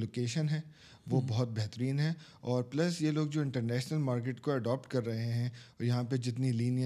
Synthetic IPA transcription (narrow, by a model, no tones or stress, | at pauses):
loːkeːʃənɦɛː | ʋobɔɦʊt̪̚bɛɦt̪əɾiːnɦɛ | ɔːɾplɐsjeloːɡ̚d͡ʒoːɪ̃ɳʈəɾnɛːʃnəlmaːɾkeːʈkoɐɖɔːp̚ʈkɐɾːɐɦeɦɛ̃jɐɦãped͡ʒɪt̪niliːnj